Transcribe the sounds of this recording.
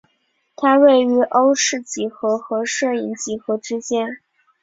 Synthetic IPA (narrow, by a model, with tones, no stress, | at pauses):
t̪ʰa˥we˥˩ɪy˧˥ʔo˥ʊʂɻ̩˥˩t͡ɕi˧˥xɤ˧˥xɤ˧˥ʂɤ˥˩i˧˥nt͡ɕi˧˥xɤ˧˥ʈ͡ʂɻ̩˥t͡ɕjɛ˥n